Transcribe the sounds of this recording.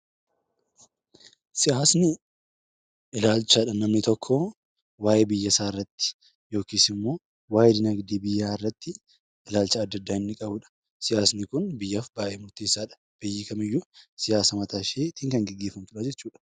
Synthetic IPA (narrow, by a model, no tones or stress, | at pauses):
sɪjaːsnɪ | ɪlaːlt͡ʃaːᶑɐnɐmnɪt̪ɔkʰːɔ | waːʔeːbɪjːɐsaːɪrːɐt̪ːɪ̥ | jo̞ːkiːsɪmːo̞ː | waːjɛd̪ɪnɐɡd̪iːbɪjːaːɪrːɐt̪ːɪ | ɪlaːlt͡ʃɐːd̪ːɐd̪ːaːɪnːɪkʼɐbʊᶑɐ̥ | sɪjaːsnɪkʊnbɪjːɐfbaːʔeːmʊɾt̪eːsːaːᶑɐ̥ | b̥ejːɪkɐmɪjːʊsɪjaːsɐmɐt̪ʰaːʃeːt̪iːŋkɐŋɡɛɡːe̞ːfɐmt̪ʊᶑad͡ʒɛt͡ʃːuːᶑɐ̥